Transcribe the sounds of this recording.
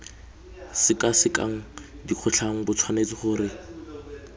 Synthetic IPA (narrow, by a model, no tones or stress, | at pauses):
sɪkasɪkʼa̰ŋ̩ | diq͡χʰʊɬʰaŋ̩bʊt͡sʰwanet͡sʼɪχʊɾɪ